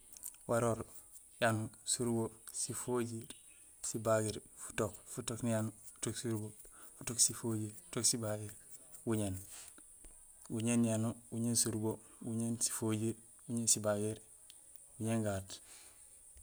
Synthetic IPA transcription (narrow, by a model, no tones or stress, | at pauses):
waɾoɾ | janusuɾɡosifoɟiɾ | sibaɡiɾfu̥tokfutoknijanufu̥toksuɾɡofutoksifoɟiɾfu̥toksibaɡiɾwuɲen | wuɲenjanuwuɲeːnsuɾɡowuɲensi̥foɟiɾ | wuɲensibaɡiɾ | wuɲeŋɡaːt